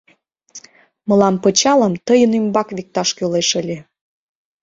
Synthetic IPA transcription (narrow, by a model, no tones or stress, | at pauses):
mə̆lɑmpət͡ɕɑlə̆mt̪əjənymbɑkβik̚t̪ɑʃkøleʃə̆lʲe